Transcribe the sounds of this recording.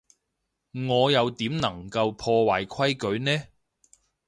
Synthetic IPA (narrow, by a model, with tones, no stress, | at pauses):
ŋɔː˨˧jɐ˨˧wt̪iː˨˥mnɐ˨˩ŋkɐ˧wpʰɔː˧waː˨˩jkʰɐ˥jkɵ˨˧ɥnɛː˥